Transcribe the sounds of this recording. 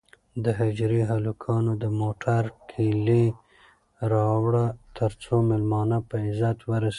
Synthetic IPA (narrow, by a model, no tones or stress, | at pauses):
d̪əɦɪd͡ʒɾiɦalukʰɑnod̪əmoʈʰaɾkʰele | ɾɑwɽat̪ʰəɾt͡somɪlmɑnapəɪzat̪wəɾase